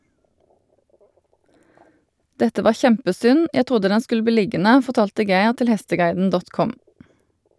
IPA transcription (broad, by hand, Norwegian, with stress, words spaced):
ˈdɛtə ˈʋɑː ˈçɛmpəˌsʏn ˈjæ ˈtʁʊdə ˈdɛn ˈskʉl ˈbiː ˈlɪɡənə fɔʁˈtɑːltə ˈɡæɪʁ ˈtɪl ˈhɛstəˌɡɑɪdn̩ ˈdɔt ˈkʊm